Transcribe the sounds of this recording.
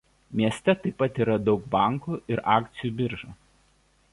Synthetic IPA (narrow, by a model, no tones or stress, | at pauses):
mʲiɛsʲt̪ʲɛt̪ɐɪpːɐt̪iːˑɾɐd̪ɒʊk̚bɐˑŋkuːʔɪɾʔɑːkt̪sʲɪjuːˑbʲɪɾʒoː